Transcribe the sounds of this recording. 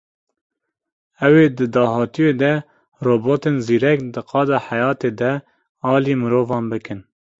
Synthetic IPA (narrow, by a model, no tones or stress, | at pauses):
ɛweːd̪ɨd̪ɑːɦɑːt̪ijeːd̪ɛ | roːboːt̪eːnziːɾɛkd̪ɨqɑːd̪ɑːħajɑːt̪eːd̪ɛ | ɑːliːmɨɾoːvɑːnbɨkɨn